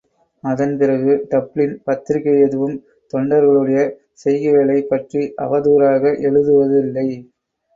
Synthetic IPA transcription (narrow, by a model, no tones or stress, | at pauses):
ɐðɐnpɪɾɐɣɯʈ̪ɐpːɭɪnpɐt̪ːɪɾɪkːɐjɛðɯʋɯm | t̪ɔɳɖɐɾɣɐɭɯɽɐjɐ | sɛjɣɪɣɐɭɐɪpːɐʈriʔɐ̰ʋɐðuːɾaːɣɐʔɛɭɯðɯʋɐðɯɪlːɐɪ